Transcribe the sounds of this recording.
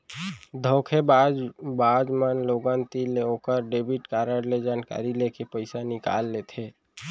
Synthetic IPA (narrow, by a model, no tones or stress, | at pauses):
d̪ʱokʰebabad͡ʒmənloɡənt̪ileokəɾɖebʱiʈkaɾəɾled͡ʒaːnka̰ːɾilekepəɪsanɪka̰lːet̪ʰe